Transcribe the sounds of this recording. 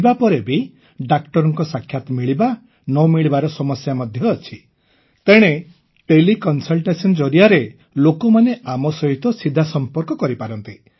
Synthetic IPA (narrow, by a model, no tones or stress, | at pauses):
bapɔɾebi | ɖakʈɔɾɔŋkɔsakʰːjat̪ɔmiɭiba | nɔmiɭibaɾɔsɔmɔsjamɔd̪ʱjɔːt͡ʃʰi | t̪eɽ̃e | ʈelikɔnsɔlʈesɔnd͡ʒɔɾiaɾe | lokɔmaneamɔsɔɦit̪ɔsid̪ʱasɔmpɔɾkɔkɔɾipaɾɔnt̪i